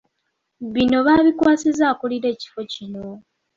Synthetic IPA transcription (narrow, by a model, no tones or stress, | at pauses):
βino̞βaːβikwaːsizaːkuliɾe̞ːci̥fo̞cino̞